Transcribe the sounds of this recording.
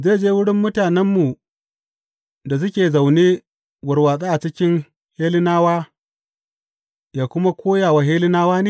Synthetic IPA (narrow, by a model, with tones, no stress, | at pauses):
zeː˦˨d͡ʒeː˦wʊ˦ɽɪ˦mːʊ˦taː˨nɛ˦mːu˨ | da˨s̬ʊ˦kʲeː˨za˨wneː˦ | wɐ˨rwaː˨sʼe˦ʔa˨t͡ʃɪ˦kʲɪ˦ŋ | heː˦lɪ˦naː˦waː˦ | jaː˨kʷʊ˦ma˦kʷoː˦jaː˨wa˨ɦeː˦lɪ˦naː˦waː˦neː˦˨